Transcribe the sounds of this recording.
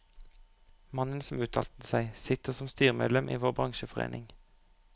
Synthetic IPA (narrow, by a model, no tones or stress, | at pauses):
mɑnənsɔm̩ʉːt̪ʰɑ̰lt̪əsæɪsɪt̪əʁsɔmst̪yːʁmḛdlɛmʔḭːʋoːʁbʁɑŋʃəfɔʁḛːnɪŋ